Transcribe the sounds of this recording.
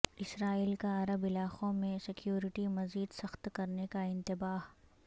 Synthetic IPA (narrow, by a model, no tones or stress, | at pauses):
ɪsɾaːiːlkaɐɾəbɪlaːqõmẽsɪkjoːɾɪʈimɐziːd̪sɐxt̪kɐɾnekaɪ̃nt̪ɪbaːɦ